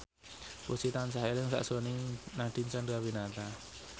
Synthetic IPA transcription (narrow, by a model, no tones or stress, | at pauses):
pusit̪ansaɦelɪŋsa̰ʔsoninad̥i̤nt͡ʃandawinat̪a